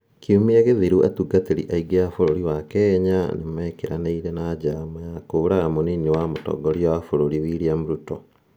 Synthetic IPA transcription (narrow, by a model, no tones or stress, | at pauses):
kʰiumieɣeðiɾuʔḛtuɡateɾḭʔaiɡeafoɾoɾiwakɛːɲanemɛːkeɾaneiɾenad͡ʑaːmajakoɾaɣamoninewamotɔ̰ɡɔɾiɔwafoɾoɾiwiːɾiamuɾutɔ